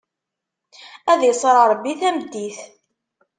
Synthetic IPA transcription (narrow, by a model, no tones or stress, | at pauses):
æðjsˤəɾˤɑɾˤbːiθæmd̪ːiθ